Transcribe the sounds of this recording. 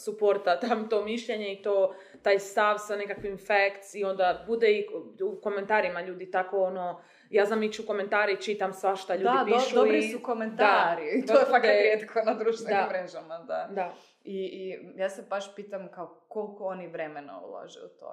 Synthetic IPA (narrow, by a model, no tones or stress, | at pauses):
supoɾt̪at̪amt̪o̞miʃʎe̞ɲe̞it̪oː | t̪aːjst̪aʋsane̞kakʋimfekt̪sio̞nd̪abud̪eiuko̞me̞nt̪aːɾimaʎuːd̪it̪ako̞ono | jaːznamit͡ʃuko̞me̞nt̪aːɾeit͡ʃit̪amsʋaʃt̪aʎud̪adp̪ʃudoiɾisukomentd̪aːɾiit̪ojefakɾjeːt̪kʰonad̪ɾuːʃt̪ʋed̪aimːɾeʒamad̪ad̪a | ijaːsebaʃpiːt̪amkaokolkooniʋɾemena̰ṵla̰ʒɛ̰ṵt̪o̰